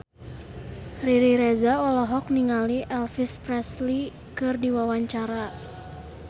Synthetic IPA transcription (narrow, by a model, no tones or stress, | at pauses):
riɾiɾɛzaɔlɔɦɔk̚niŋaliʔɛlfispɾɛsli | kɨrdiwawaɲt͡ʃaɾa